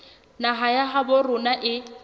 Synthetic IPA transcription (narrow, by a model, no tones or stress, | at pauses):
naɦajaɦabʊrʊnaʔɪ